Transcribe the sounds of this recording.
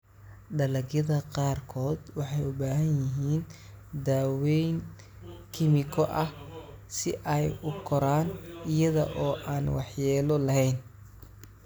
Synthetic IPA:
ɖɐlɐɡjɐðɐqɑːrkʰɔːd̪wɑħɑjʊbaːɦɐnjɪɦiːn | d̪aːwɛjn | kʰɪmɪkʰɔʔɐh | sɪ̰ʔɛjʊkʰɔɾaːnɪjɐðɐ̰ʔɔːʔaːnwɑħjɛːlɔlɐɦɛjn

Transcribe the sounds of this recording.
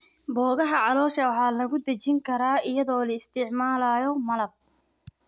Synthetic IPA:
bɔːɣɐɦɐʕɑlɔːʃɐwɑħɑːlɐɣʊd̪ɐt͡ʃɪŋkʰɐɾaːɪjɐðɔːlɐɪst̪ʰɪʕmaːlaːjɔmɐlɐb̚

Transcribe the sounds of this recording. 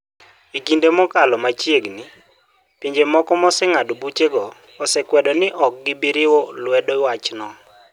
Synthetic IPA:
iɡindemɔkalɔmat͡ʃjeɡnɪ | piɲd͡ʒemɔkɔmɔsɪŋadɔbut͡ʃeɡɔː | sɛkwɛdɔnɪʔɔk̚ɡɪbiɾɪwɔlwɛdɔwat͡ʃnɔ

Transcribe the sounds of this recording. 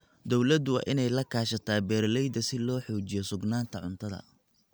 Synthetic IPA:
d̪ɔwlɐd̪ʊwɑ̰ːʔɪnɛjlɐkʰaːʃɐt̪ʰaːbɛːɾlɛjd̪ɐsɪlɔːħɔːt͡ʃɪjɔsʊɡnaːnt̪ʰɐʕʊ̰nt̪ʰɐðɐ̰

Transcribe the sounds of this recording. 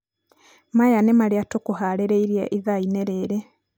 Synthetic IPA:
majanemaɾiatokuhaleɾeiɾjeʔiðaineɾeːɾe

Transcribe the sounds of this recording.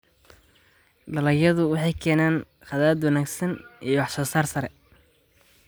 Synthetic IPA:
ɖɐlɐjɐðʊwɑħɑjkʰɛːnaːn | χɑðad̪wɑnaːɡsɐnijɔwɑħsɔːsaːrsɐɾɛ

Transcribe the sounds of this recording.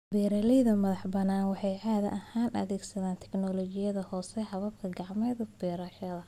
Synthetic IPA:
bɛːɾɐlɛjðɐmɐðɑħbɐnaːnwɑħɑjʔaːðɐ̰ʔɐhaːnʔɐ̰ðɛːɡsɐðaːnt̪ʰɛ̥knɔlɔt͡ʃɪjɐðɐhɔːsɛhɑβɐbkʰɐɡɑʕmɛːðbɛːɾɐʃɐðɐ

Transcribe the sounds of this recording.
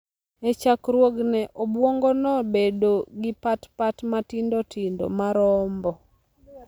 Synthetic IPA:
et͡ʃakɾwoɡnɛʔobwoŋɡɔnɔbedoɡɪpatpatmatindotʰindo̰maɾɔmbɔ

